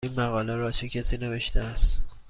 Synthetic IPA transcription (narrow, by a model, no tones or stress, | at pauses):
iːnmæɣɒːlæɾɒːt͡ʃʰecʲʰæsiːne̞ve̞ʃt̪eæst̪